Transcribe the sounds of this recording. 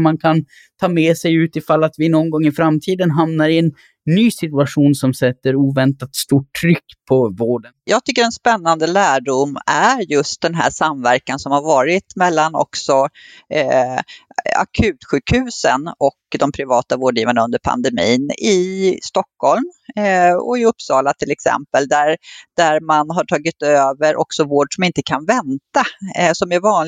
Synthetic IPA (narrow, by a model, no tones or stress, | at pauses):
mankʰan | t̪ʰɑːmɛsɛjʉ̟ːt̪ɪfalːat̪vɪnɔnɡɔŋːɪfɾamt̪ʰiːd̪ənɦamnaɾɪɛnː | yːsɪt̪ɵaɧuːnsɔmsɛt̪ːəɾuːvɛnt̪at̪st̪uːʈʰːɾʏkːpʰɔvoːɖənjɑːɡt̪ʰʏkːəɾɛnspɛnːand̪əlæːɖʊmæɾjɵst̪̚d̪ɛnɦæ̰ːʂamvæɾkansɔmhaɾvɑːɾɪt̪mɛlːanɔ̰ksɔ | a̰kʰʉ̟ːt̪ɧʉ̟ːkhʉ̟ːsə̰nɔkd̪ɔmpʰɾɪvɑːt̪avoːɖjiːvaɳaɵnd̪əɾpʰa̰nd̪ɛmḭːnɪst̪ɔkːhɔlm | ɔ̰ɪɵpsɑːlat̪ʰɪlɛksɛ̰mpəld̪æɾd̪̥æɾmanɦaʈʰɑːɡɪt̪øːvəɾʔɔ̰ksɔvoːɖʂɔmɪnt̪əkʰanvɛnt̪asɔmæɾvɑːnl